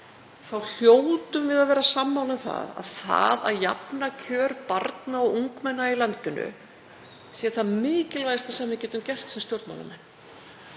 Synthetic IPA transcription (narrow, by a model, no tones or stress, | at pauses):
θawl̥joːwt̪ʏmvɪðaðvɛːɾasamːawlɪmθa̰ða̰ðθa̰ða̰ðja̰pnacʰœːɾpaɾt̪naɔɣuŋkmɛnːailant̪ɪnʏ̰ | siaθaðmɪːcɪlvajst̪asɛmːɪcɛːt̪ʏmcɛr̥t̪sɛmst̪jowɾt̪ma̰wna̰mɛnː